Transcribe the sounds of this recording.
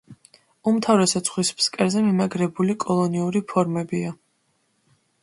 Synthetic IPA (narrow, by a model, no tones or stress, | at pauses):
umt̪ʰavɾɛsɛt̪sʰχwispskʼɛɾzɛmimaɡɾɛbulikʼɔlˠɔniuɾipʰɔɾmɛbia